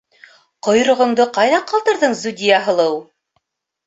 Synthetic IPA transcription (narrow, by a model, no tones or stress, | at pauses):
qŏj̆ɾŏʁɤ̆ɴd̪ɤqɑjðɑqɑlˠt̪ɤ̆ɾðɤɴzudʲijaɦɤ̆lˠɤw